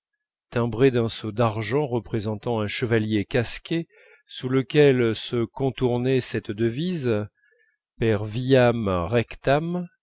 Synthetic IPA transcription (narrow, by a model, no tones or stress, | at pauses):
t̪ɛ̃bʁed̪ɛ̃sod̪aʁʒɑ̃ʁəpχezɑ̃t̪ɑ̃ɛ̃ʃəvaljekaskʲe | suləkʲɛlsəkɔ̃t̪uʁnɛsɛt̪d̪əviz | pɛʁvijamʁɛkt̪am